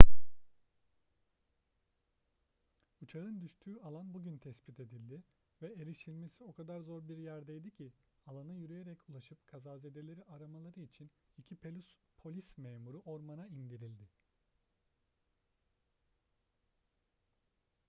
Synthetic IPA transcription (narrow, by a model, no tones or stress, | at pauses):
ut͡ʃʰaɯnd̪yʃt̪ʰyːalˠanbuɟynt̪ʰɛspʰit̪ʰe̞d̪ilʲd̪ɪ | vɛeɾiʃilʲme̞sio̞kʰad̪aɾzo̞ɾbiɾjæɾd̪ejd̪icʰialˠanɯjyɾyjeɾɛculˠaʃɯp̚kʰazaːzed̪e̞lʲe̞ɾiaɾamalˠaɾɯit͡ʃʰinicʰipʰe | pʰo̞lʲismeːmuɾuʔo̞ɾmanaind̪iɾilʲd̪ɪ